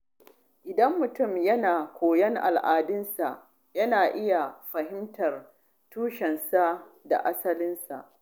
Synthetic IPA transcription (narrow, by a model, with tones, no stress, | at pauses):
ʔɪ˨dɐ˦mːʊ˨tʊ˦˨mjɐ˦naː˨kʷoː˨jɐ˦ŋʔa̰˨lʔaː˨dɪ˦nsa˨ʔ | jɐ˦naː˨ʔɪ˦ja˨ɸɐ˨hɪ˦mtɐ˨r | tuː˦ʃɛ˨nsa˦ʔda̰˨ʔa˦sɐ˦lɪ˦nsa̰˨ʔ